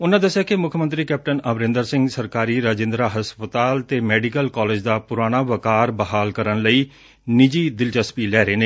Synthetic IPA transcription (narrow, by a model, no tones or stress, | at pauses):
ʊnãːd̪əsːjaːkɪmʊkʰmənt̪ɾiːkɛːp̚ʈənəbɾɪ̃nd̪əɾsɪ̃ŋɡsəɾkaːɾiːɾaːd͡ʒɪ̃nd̪ɾaːɦəspət̪aːlt̪eːmɛːɖikəlkaːleːd͡ʒd̪aːpʊɾaːñaːʋəkaːɾbəɦaːlkəɾənləiː | nɪd͡ʒiːd̪ɪlt͡ʃəspiːlɛːɾeːneː